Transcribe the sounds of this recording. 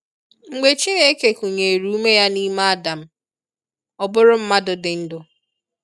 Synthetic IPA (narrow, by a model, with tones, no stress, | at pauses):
ŋ͡m̩˨ɡ͡be˨t͡ʃi˦ne˦e˦ke˨ku˨ɲe˨ɾu˨˦u˦me˦ja˦ni˦ma˦a˦da˨m̩˦ | ɔ˨bʊ˦ɾʊ˦m̩˦ma˦dʊ˨dɪ˨n̩˦dʊ˨